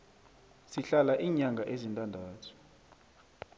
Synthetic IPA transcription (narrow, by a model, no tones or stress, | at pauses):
siɬalaʔiːɲaŋɡʱaʔezintʼandʱaːtʰu̥